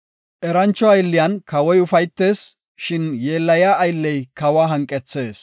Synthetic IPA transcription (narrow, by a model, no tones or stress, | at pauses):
ʔɛɾɐnt͡ʃːɔɐjlːɪjankɐwɔjʊfɐjt̪ːe̞ːs | ʃɪnje̞ːlːɐjaːʔɐjlːɛjkɐwaːɦɐŋkʼːɛt͡sːe̞ːs